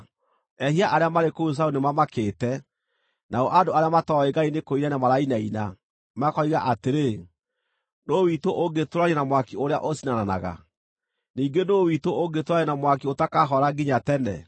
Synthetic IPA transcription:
ɛɦiaʔaɾeamaɾekous̬aunemamakeːtɛ | naɔʔadoaɾeamatɔɛɡainekoiɾanamaɾainaina | makɔiɣaʔateɾe | nowitoʔoɡetoɾaɾenamwakioɾea̰ʔosinanana̰ɣa̰ | niːŋɡenowitooɡetoɾaɲenamwakiotakaɦɔɾaɡiɲatɛnɛ̰

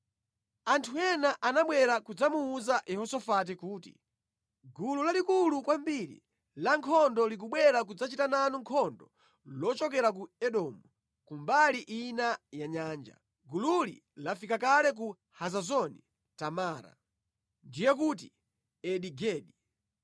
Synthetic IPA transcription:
antʰuɛnaʔanaɓwɛɾakud͡zamuːzaʔjɛhɔsɔfat̬ikuːtḭ | ɡululalikulukwambiɾḭ | laŋkʰɔndɔlik̬uɓwɛɾakud͡zat͡ʃitananuŋkʰɔndɔ̰ | lɔt͡ʃɔk̬ɛɾak̬uɛɗɔmu | kumbaliʔinajaɲaːnd͡ʒa̰ | ɡululḭ | lafikakalɛk̬u | hazazɔni | tamaːɾa̰ | ndijɛk̬ut̬i | ɛɗiɡɛːɗi

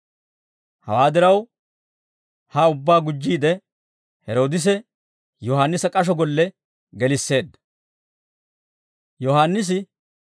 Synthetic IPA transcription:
hɐ̰waːd̪ɪɾɐw | hɐʊbːaːɡʊd͡ʒːiːd̪ɛ | hɛɾo̞ːd̪ɪs̬ɛ | jɔhaːnːɪsɐkʼɐʃ̬ɔɡɔlːɛ | ɡɛlɪsːe̞ːd̪ːɐ̥ | jɔhaːnːɪs̬ɪ

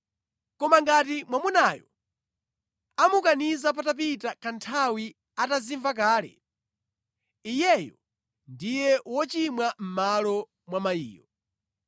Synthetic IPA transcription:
kɔmaŋɡatimwamunajɔ̰ | amukanizap̬atap̬itakʰantʰawi | ataziɱvak̬aːlɛ̰ | ijɛjɔ | ndijɛwɔt͡ʃimwam̩malɔ | mwamaḭːjɔ

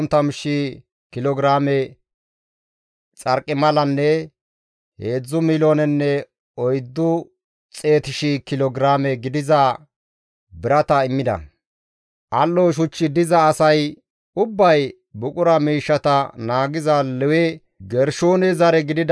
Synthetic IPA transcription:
nt̪ɐmɪʃːi | kɪlɔɡɾaːmɛ | t͡sʼɐɾkʼːɪmɐlɐnːɛ | he̞ːd͡zːʊmɪloːnɛnːɛ | ɔjd̪ːʊ | t͡sʼe̞ːt̪ɪʃikɪlɔɡɾaːmɛɡɪd̪ɪzɐ | bɪɾɐt̪ɐɪmːɪd̪ɐ̰ | ʔɐlːɔʃ̬ʊt͡ʃːɪd̪ɪzɐːsɐj | ʊbːɐj | bʊkʼʊɾɐmiːʃːɐt̪ɐnaːɡɪzɐlɛwɛ | ɡɛɾʃoːnɛzɐɾɛɡɪd̪ɪd̪

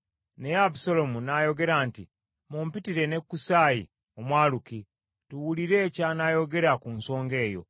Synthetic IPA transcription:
neabusalo̞munajo̞ɡe̞ɾaːntḭ | mumpitiɾe̞ne̞kːusajḭ | o̞mwaːluki | tuwuliɾe̞ːcanajo̞ɡe̞ɾakunso̞ːŋɡe̞ːjo̞̰

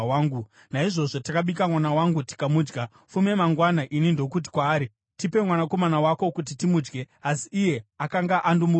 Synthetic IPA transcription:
aːŋɡu | naiʐo̞ʐotakaɓikamwanawaŋɡuti̥kamuːd͡ʒɡa | fume̞maŋɡwanaʔinindo̞kut̬i̥kwaːɾi | tipe̞mwanako̞manawako̞kut̬itimud͡ʒɡe̞ | asiːje̞akaŋɡaʔandumu

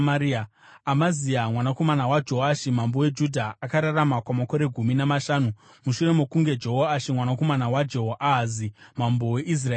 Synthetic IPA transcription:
maɾia | amaziamwanako̞manawad͡ʒo̞ɦaʃimambo̞we̞d͡ʒudʱaakaɾaramakwamako̞ɾe̞ɡʱuminamaʃaːnu | muʃure̞mokuŋɡe̞d͡ʒo̞ɦoaʃimwanako̞manawad͡ʒeɦoʔazimambo̞weʔis̬rae

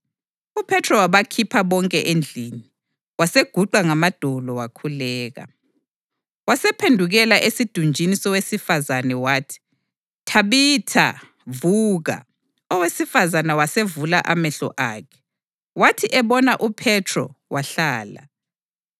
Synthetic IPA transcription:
upʰɛtʰrɔwaβakʰipʰaβɔŋkʼɛʔend͡ɮʱiːni | waseɡ̥ʱuǃaŋamad̥ʱɔlɔwakʰulɛːɣa̰ | wasɛpʰendʱuɣɛlaʔesid̥ʱund͡ʒʱinisɔwesifazanɛwaːtʰi̥ | tʰaβitʰa̰ | vuːɣa̰ | ɔwesifazanawasevulaʔamɛɬɔ̰ʔaːkʰɛ̥ | watʰiʔɛβɔnaʔupʰɛtʰrɔ̰waɬaːla̰

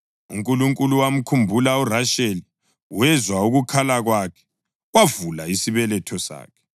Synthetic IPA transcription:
ṵŋkʼuluŋkʼuluwam̩kʰumbʱulauraʃeli | wɛzwauɣukʰalaɣwakʰɛ̥ | wavulaisiβɛlɛtʰɔsa̰ːkʰɛ̥

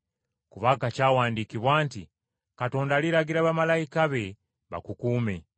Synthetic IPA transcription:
kuβakacaːwaːndikiβwaːnti | kato̞ːndaliɾaɡiɾaβamalaikaβe̞ | βa̰kukuːme̞

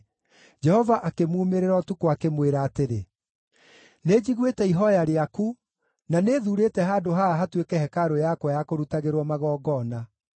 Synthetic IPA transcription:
d͡ʒɛhɔvaʔakemuːmeɾeɾɔtukoakemweɾaːteɾe | ned͡ʑiɣwetɛiɦɔjaɾeaku | naneːðuɾetɛɦaːdoɦaaɦatwekɛhɛkaɾojakwɔjakoɾutaɣeɾwɔmaɣɔːɡɔna

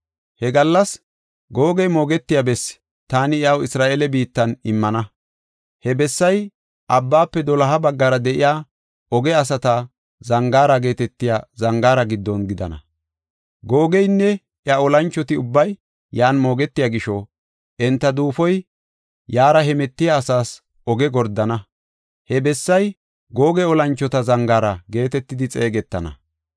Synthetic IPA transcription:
hɛɡɐlːɐs | ɡo̞ːɡɛjmo̞ːɡɛt̪ːɪjabɛs | t̪aːnɪɪɐwɪsɾaːʔeːlɛbiːt̪ːɐnɪmːɐnɐ | hɛbɛsːɐj | ʔɐbːaːpːɛd̪ɔlɐɦɐbɐɡːɐɾɐd̪ɛʔɪjaː | ʔɔɡɛɐsɐt̪a | zɐŋɡaːɾɐɡe̞ːt̪ɛt̪ːɪjaːzɐŋɡaːɾɐɡɪd̪ːɔnɡɪd̪ɐ̰nɐ̰ | ɡoːɡɛjnːɛ | ʔjɐɔlɐnt͡ʃːɔt̪ɪʊbːɐj | jaːnmo̞ːɡɛt̪ːɪjaːɡɪʃɔ | ʔɛnt̪ːɐd̪uːfɔj | jaːɾɐɦɛmɛt̪ːɪjaːsaːs | ʔɔɡɛɡɔɾd̪ɐnɐ | hɛbɛsːɐj | ɡo̞ːɡɛɔlɐnt͡ʃːɔt̪ɐzɐŋɡaːɾɐɡe̞ːt̪ɛt̪ːɪd̪ɪt͡sʼeːɡɛt̪ːɐnɐ̰

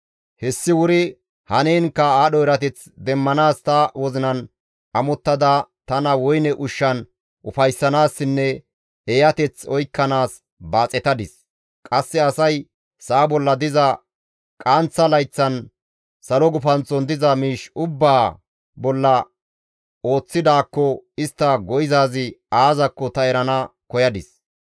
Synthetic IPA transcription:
hɛsːɪwʊɾɪ | hɐneːnkːɐaːɗɔɛɾɐt̪ɛt͡sd̪ɛmːɐnaːst̪ɐwɔzɪnɐn | ɐmɔt̪ːɐd̪ɐt̪ɐnɐwɔjnɛʔʊʃːɐn | ʔʊfɐjsːɐnaːsːɪnːɛ | ejɐt̪ɛt͡sɔjkːɐnaːs | baːt͡sʼɛt̪ɐd̪ɪs | kʼɐsːɛɐsɐj | saːbɔlːɐd̪ɪzɐ | kʼaːnt͡sːɐlɐjt͡sːɐn | sɐlɔɡʊfɐnt͡sːɔnd̪ɪzɐmiːʃʊbːaː | bɔlːɐ | o̞ːt͡sːɪd̪aːkːɔɪst̪ːɐɡɔjɪzaːzɪaːzɐkːɔt̪ɐɛɾɐnɐkɔjɐd̪ɪs

